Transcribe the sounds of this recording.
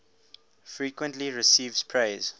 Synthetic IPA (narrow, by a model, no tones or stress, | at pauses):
fɹiːkwə̃ntliɹisiːvz̥pʰɹeɪz